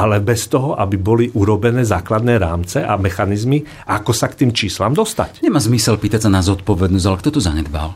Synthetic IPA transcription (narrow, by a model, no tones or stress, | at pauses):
ʔalɛbɛst̪ɔɦɔʔabibɔliʔuɾɔbɛnɛːzaːklad̪nɛːɾaːmt͡sɛʔa̰mɛxanizmi | ʔakɔsakt̪iːmt͡ʃiːslamd̪ɔst̪a̰cɲɛmaːzmisɛlpiːt̪acsanazɔt̪̚pɔʋɛd̪nɔzalakt̪ɔt̪ɔzaɲɛd̪ba̰l